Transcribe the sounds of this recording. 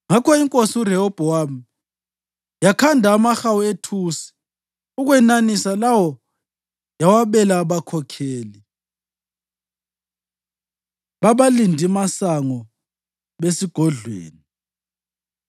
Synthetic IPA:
ŋakʰɔiŋkʼosiuɾɛhɔb̥ʱɔam | jakʰandʱaːmaxawuetʰusi̥ | uɣwɛnanisalawɔ | jawaβɛlaβakʰɔkʰeːli | βaβalindʱimasaŋɔ | βesiɡ̥ʱɔɮwḛːni

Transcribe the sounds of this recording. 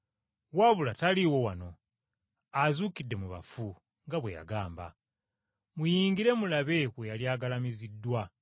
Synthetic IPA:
waβulataliwo̞wano̞ | azuːkidːe̞muβa̰fu | ŋɡaβweja̰ɡaːmba̰ | mujiːŋɡiɾe̞mulaβe̞kwejaljaːɡalamizidːwa

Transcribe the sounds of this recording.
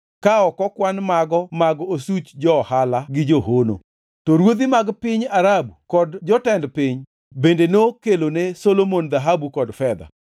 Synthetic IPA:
kaɔkɔkwanmaɡɔmaɡosut͡ʃd͡ʒɔhalaɡɪd͡ʒoɦono̰ | tɔɾwod̪imaɡpɪɲaɾabukɔdd͡ʒɔtɛndpɪɲ | bendenokelonesolomond̪aɦabukɔdfɛd̪a̰

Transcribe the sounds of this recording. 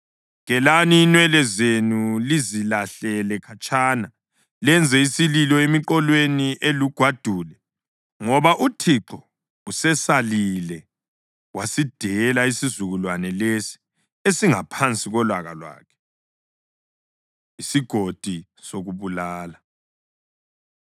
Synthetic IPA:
ŋɛlaniːnwɛlɛzenulizilaɬɛlɛkʰat͡ʃʼaːna | lɛnd͡zʱɛisililɔemiǃɔlweniʔeluɡ̥ʱwad̥ʱuːlɛ | ŋɔβaʔutʰiǁʰɔ | usɛsalilɛ | wasid̥ʱɛɛlaisizuɣulwanɛlesi̥ | esiŋapʰant͡sʼiɣɔlwaɣa̰lwa̰ːkʰɛ̥ | isiɡ̥ʱod̥ʱi | soɣuβulaːla

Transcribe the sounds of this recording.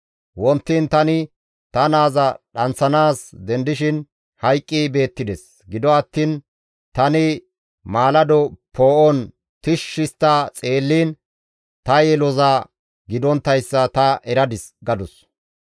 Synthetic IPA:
wɔnt̪ːint̪ɐnɪ | t̪ɐnaːzɐɗɐnt͡sːɐnaːsd̪ɛnd̪ɪʃɪn | hɐjkʼːibe̞ːt̪ːɪd̪ɛs | ɡɪd̪ɔɐt̪ːiːn | t̪ɐnɪ | maːlɐd̪ɔpʰoːʔɔn | t̪ɪʃːɪst̪ːaːt͡sʼe̞ːlːiːn | t̪ɐjɛlɔzaː | ɡɪd̪ɔnt̪ːɐjsːɐt̪ɐʔɛɾɐd̪ɪsɡɐd̪ɔs

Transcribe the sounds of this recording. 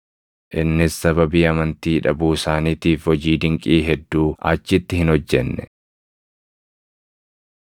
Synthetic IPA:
ʔɪnːɪsːɐbɐbiːɐmɐnt̪iːᶑɐbuːsaːniːt̪iːfhɔd͡ʒiːd̪ɪŋkʼiːɦɛd̪ːuːɐ̰t͡ʃːɪt̪ːɪhɪnɔd͡ʒːɛnːɛ

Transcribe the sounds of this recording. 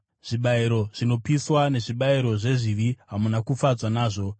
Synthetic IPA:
ʐ̥iɓaiɾo̞ʐ̥ino̞piswane̞ʐiɓaiɾo̞ʐe̞ʐiʋiɦamunakufad͡zwanaːʐo̞

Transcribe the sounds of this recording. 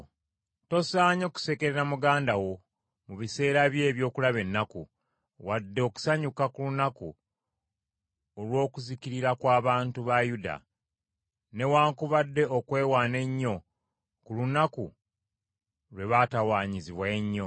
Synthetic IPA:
to̞saːɲo̞ku̥se̞ke̞ɾeɾamuɡaːndawo̞ | muβise̞ːɾaβje̞ːβjo̞ːkulaβe̞nːaku | wadːeoku̥saɲukakulunakṵ | olwo̞ːkuziciɾiɾakwaːβaːntuβajuda̰ | ne̞waːŋkuβadːe̞okwe̞ːwaːne̞ɲːo̞ | kulunaku | lwe̞βatawaːɲiziβwaeɲːo̞

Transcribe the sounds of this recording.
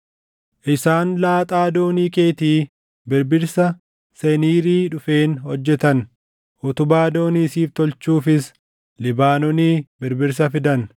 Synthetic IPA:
ʔɪsaːnlaːt̪ʼaːd̪o̞ːniːke̞ːt̪iː | bɪɾbɪɾsɐ | sɛniːɾiːᶑʊfe̞ːnhɔd͡ʒːɛt̪ɐn | ʔʊt̪ʊbaːd̪o̞ːniːsiːft̪ɔlt͡ʃuːfɪs | lɪbaːnɔniːbɪɾbɪɾs̬ɐfɪd̪ɐn

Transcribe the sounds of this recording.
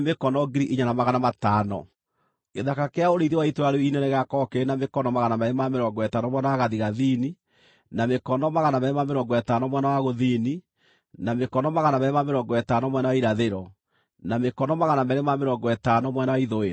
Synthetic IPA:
mekɔnɔɡiɾiʔiɲanamaɣanamataːnɔ̰ | eðakakeaoɾeiðewaitoaɾeinɛneɣakɔkenamekɔnɔmaɣanamɛɾemameɾɔːŋɡɔɛtaːnɔmwɛnawaɣaðiɣaðini | namekɔnɔmaɣanamɛɾɛmameɾɔːŋɡɔɛtaːnɔmwɛnawaɣoðiːni | namekɔnɔmaɣanamɛɾɛmameɾɔŋɡɔɛtanɔmwɛnawaiɾaðeɾɔ | namekɔnɔmaɣanamɛɾemameɾɔŋɡɔɛtanɔmwɛnawaiðoeɾa

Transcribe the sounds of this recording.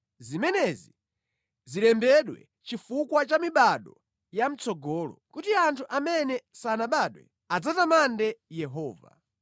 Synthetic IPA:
zimɛnɛzi | zilɛmbɛɗwɛ̰ | t͡ʃifukwat͡ʃamiɓaɗɔ | jam̩t͡sɔɡɔːlɔ̰kutiantʰuʔamɛnɛsanaɓaɗwɛ̰ | ad͡zatamandɛjɛɦɔːva̰

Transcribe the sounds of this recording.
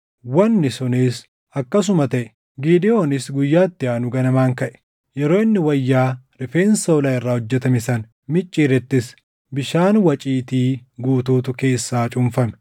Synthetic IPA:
wɐnːɪsʊniːs | ɐkːɐs̬ʊmɐt̪ɐʔɛ | ɡiːd̪ɪjo̞ːnɪsɡʊjːaːt̪ːɪaːnʊɡɐnɐmaːŋkɐʔɛ̥ | jɛɾo̞ːɪnːɪwɐjːaːɾɪfe̞ːnsɐʊlaːɪrːaːhɔd͡ʒːɛt̪ɐmɪsɐn | mɪt͡ʃʼːiːɾɛt̪ːɪs | bɪʃaːnwɐt͡ʃʼiːt̪iːɡuːt̪uːt̪ʊke̞ːsːaːt͡ʃʼʊmfɐmɛ̥

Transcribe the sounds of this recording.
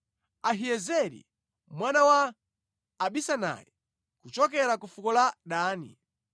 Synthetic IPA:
aɦiɛzɛɾḭ | mwanawaː | ɓisana̰jɛ | kut͡ʃɔkɛɾakufukɔlaɗaːnḭ

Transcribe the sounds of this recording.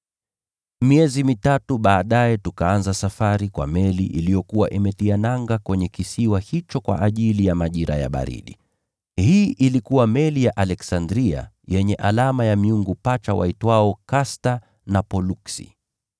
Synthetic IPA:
miɛzimitatuɓaːɗaɛtukaanzasafaɾikwa̰mɛliʔilijɔkuwaʔimɛtianaŋɡakwɛɲɛkisiwahit͡ʃɔkwa̰ʔaʄilijamaʄiɾa̰ja̰ɓa̰ɾḭɗi | hiːʔilikuwamɛlijaʔalɛksandɾia̰ | jɛɲɛʔalamajamiuŋɡupat͡ʃawa̰itwaɔkasta | napɔluksḭ

